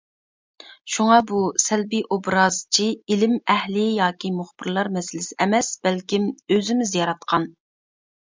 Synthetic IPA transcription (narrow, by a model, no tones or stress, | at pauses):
ʃuŋɑbusɛlbiʔobɾɑːzt͡ʃʰiilɪmɛhlɪjɑːkʲimʊχb̥ɪɾlˠɑɾmɛsɪlɪsɪʔɛmɛsb̥ɛlkʲimøzɪmɪzjɑɾɑt̪̚qʰɑn